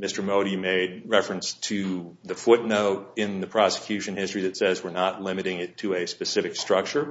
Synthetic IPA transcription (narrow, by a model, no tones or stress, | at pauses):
mɪstə˞moʊɾimeɪd̚ɹɛfɹɨ̃nstʰɨðɨfʊtⁿnoʊɾɪ̃nðɨpʰɹ̥ɑsɨ̥kʰj̥ʉʃɨ̃nhɪstɹ̥iðɨtsɛzwəɹnətˡlɪ̃mɨɾɪ̃ŋɪtʰɨɨspɨsɪfɨkstɹ̥ʌk̚t͡ʃə˞